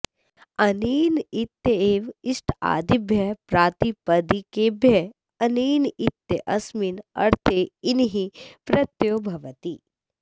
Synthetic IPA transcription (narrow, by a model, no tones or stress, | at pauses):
ɐniːnɪt̪jəeːʋɪʃʈʰa̰ːd̪ɪbʱjɐpɾaːt̪ipɐd̪ikebʱjɐ | ɐniːnɪt̪jəʔɐsmɪnɐ̰ɾt̪ʰeɪnɦipɾɐt̪joːbʱɐʋət̪iː